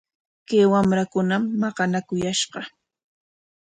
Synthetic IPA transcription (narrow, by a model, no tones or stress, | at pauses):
kajwamɾakʊnamːɑqɑnakʊjaʃɢɑ